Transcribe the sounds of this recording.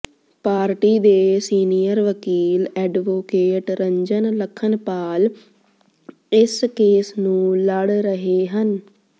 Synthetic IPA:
paːɾʈiːd̪eːsiːniːjəɾʋəkiːlɛːɖʋoːkeːʈɾəɲd͡ʒənləkʰːənpaːl | ɪskeːsnũːləɽɾəɦeːɦən

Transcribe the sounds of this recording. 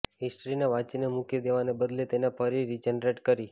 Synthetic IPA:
ɦisʈəɾineʋat͡ʃinemukid̪eʋanebəd̪let̪enepʰəɾiɾid͡ʒenɾeʈkəɾi

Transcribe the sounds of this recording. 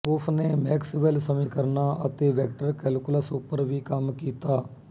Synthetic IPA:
pʊpʰneːmɛːksʋelsəmĩːkəɾnaːʔət̪eːʋɛːk̚ʈəɾkɛːlkʊlaːsuːpəɾʋiːkəmkiːt̪aː

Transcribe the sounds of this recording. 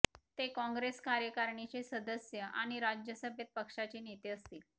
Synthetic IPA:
t̪ekɔ̃ŋɡɾeskaɾjəkaɾɳit͡sesəd̪əsjəʔa̰ɽ̃iɾad͡ʑjəsəbʱjət̪̚pəkʂat͡ɕiːnet̪eəst̪i

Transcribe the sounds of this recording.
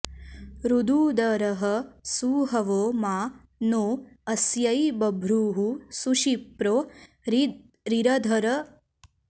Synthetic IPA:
ɾud̪uːd̪ɐɾɐɦɐsuːɦɐʋoːmaː | noːɐsjɐjbɐbʱɾuːɦusuʃipɾoː | ɾiɾɐd̪ʱɐɾɐ

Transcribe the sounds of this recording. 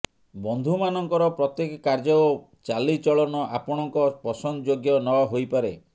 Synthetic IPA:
bɔnd̪ʱumanɔŋkɔɾɔpɾɔt̪jekɔkaɾd͡ʒɔ | t͡ʃalit͡ʃɔɭɔnɔʔapɔɽ̃ɔŋkɔpɔsɔnd͡ʒoɡjɔnɔɦojpaɾe

